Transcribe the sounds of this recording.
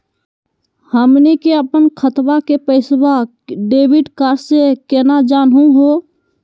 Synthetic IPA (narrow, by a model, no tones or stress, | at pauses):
həmnikeəpənkʰət̪bakepəɪsba | ɖeːbiɖkaɾsekenad͡ʒaːnɦũɦo